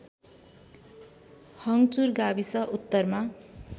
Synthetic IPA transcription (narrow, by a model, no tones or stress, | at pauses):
hʌŋt͡surɡabisʌʔut̪ːʌrma